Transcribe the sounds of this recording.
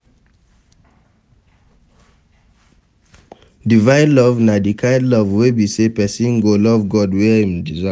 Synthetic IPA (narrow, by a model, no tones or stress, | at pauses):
divãɪ̃nlɔvnadikʰaɪdlɔvwebisepɛsĩnɡolɔvɡɔdwɛĩmdiza